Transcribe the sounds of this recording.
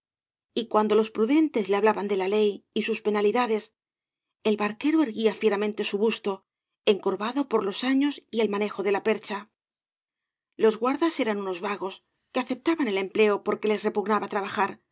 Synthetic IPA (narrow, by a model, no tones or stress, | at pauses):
ikwand̪o̞lo̞spɾuðe̞nt̪e̞zle̞aβlaβand̪e̞lale̞jisuspe̞naliðaðe̞s | e̞lβaɾke̞ɾoe̞ɾɣiafje̞ɾamẽnt̪e̞suβust̪o̞ | e̞ŋko̞ɾβaðo̞po̞ɾlo̞saɲo̞sie̞lmane̞xo̞ðe̞lape̞ɾt͡ʃa | lo̞zɣwaɾðase̞ɾanuno̞zβaɣo̞s | keaθe̞p̚t̪aβane̞le̞mple̞o̞po̞ɾke̞le̞sre̞puɣnaβat̪ɾaβaxaɾ